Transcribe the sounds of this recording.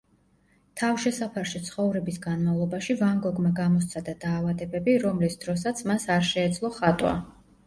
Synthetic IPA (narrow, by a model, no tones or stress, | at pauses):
t̪ʰavʃɛsapʰaɾʃit̪sʰχɔvɾɛbisɡanmavlˠɔbaʃivaŋɡɔɡmaɡamɔst̪sʰad̪ad̪aːvad̪ɛbɛbiɾɔmlisd̪̥ɾɔs̬at̪sʰmasaɾʃɛːd̪zlˠɔχat̪ʼwa̰